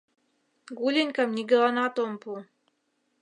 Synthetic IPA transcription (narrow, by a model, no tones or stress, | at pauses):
ɡulʲenʲkamnʲiɡɘlˠɑnɑt̪ompu